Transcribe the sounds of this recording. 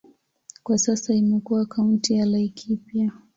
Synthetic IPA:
kwasasaimɛkuwakauntijalaikʰipia

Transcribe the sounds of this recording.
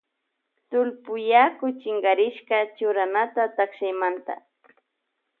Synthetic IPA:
t̪ʊlpʊjakʊt͡ʃɪŋɡaɾɪʃkɑt͡ʃʊɾanat̪at̪aχʃajmant̪a̰

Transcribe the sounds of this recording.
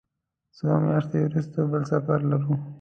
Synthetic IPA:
somjaʃt̪ewɾust̪abəlsafaɾlaɾu

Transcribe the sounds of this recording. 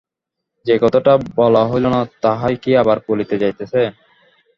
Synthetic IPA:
d͡ʑekɔt̪oʈabɔlaɦolonat̪aɦajkiabaɾkolit̪ed͡ʑajt̪esʰe

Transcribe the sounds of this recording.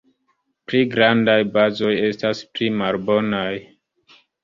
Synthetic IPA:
pliɡɾandajbazo̞je̞stasplimalbo̞naj

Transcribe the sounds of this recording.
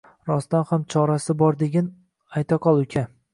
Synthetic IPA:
ɾɒst̪anhamt͡ʃʰɒɾasɪbɒɾd̪e̞ɡʲan | ajt̪ʰaqʰɒlˠʊkʲʰa

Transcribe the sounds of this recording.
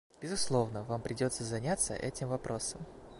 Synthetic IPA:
bʲɪzʊslˠo̞vnəvampɾʲɪdʲo̞t̪səzɐnʲat̪sə̰ʔɛtʲɪmvɐpɾʔo̞səm

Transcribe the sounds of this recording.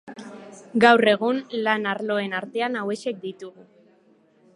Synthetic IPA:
ɡawre̞ɣ̞unlanaɾlo̞e̞naɾt̪e̞anawe̞ʃe̞k̚d̪it̪uɣu

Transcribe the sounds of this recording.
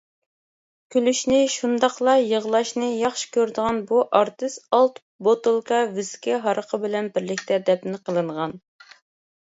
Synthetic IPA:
kʲʰylyʃnɪʃund̪ɑqlˠɑjəʁlˠɑʃnɨjɑχʃɪ̥kʲøɾd̪əʁɑnbuʔɑɾt̪ɨst̪ɑlˠt̪ | bot̪ɨlˠkɑvyzkʲʰɛɦɑɾʔəqʰəbɪlɛnbɪɾlɪkʲt̪ʰɛd̪ɛpnɪqʰəlˠɨɴʁɑn

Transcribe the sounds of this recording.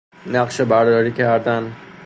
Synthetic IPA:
næqʃebæɾd̪ɒːɾiːkʰæɾd̪æn

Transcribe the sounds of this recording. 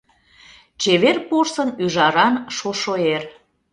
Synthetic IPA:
t͡ɕeβerporsənyʒɑɾɑnʃoʃoer

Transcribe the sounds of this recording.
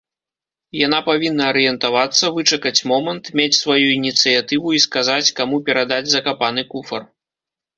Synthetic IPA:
jan̪apavʲinːɐːɾɨjɛnt̪avat̪sːɐvɨt͡ʂɐkɐt͡sʲmɔmɐnt̪mʲet͡sʲsvajuinʲit̪sɨjat̪ɨvuiskazat͡sʲkamupʲɛɾad̪ad͡zʲzɐkapan̪ɨkufɐr

